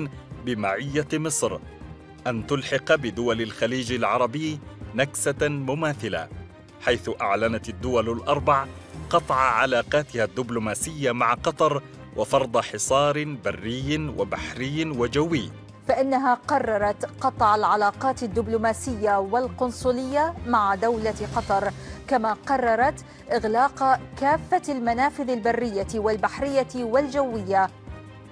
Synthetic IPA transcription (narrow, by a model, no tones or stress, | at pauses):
nbɪmaʕɪjːamɨsˤɾ | ʔant̪ʊlħɪqbɪd̪ʊwalalxaliːd͡ʒalʕɑɾˤɑbɪːnaksamʊmaːθɪla̰ | ħajθʊʔaʕlanat̪ad̪ːʊwalalʔɑɾˤbɑʕqɑt̪ˤʕaʕalaːqɑːt̪ɪhad̪ːʊblʊmaːsɪjːamaʕqɑt̪ˤɑɾˤ | wʔɑfɑɾˤd̪ˤɑħɪsˤɑːɾbarːɪjːnwa̰baħɾɪjːwad͡ʒawːɪjː | faʔɪnːaɦaːqɑrˤːɑɾˤɑt̪qɑt̪ˤʕalʕalaːqɑːt̪ad̪ːʊblʊmaːsɪjːawalqʊnsˤʊlɪjːamaʕad̪awlaqɑt̪ˤɑɾˤkamaːqɑrˤːɑɾˤɑt̪ | ʔɪɣlɑːqkaːfːalmanaːfɪðalbarːɪjːawalbaħɾɪjːawald͡ʒawːɪjːa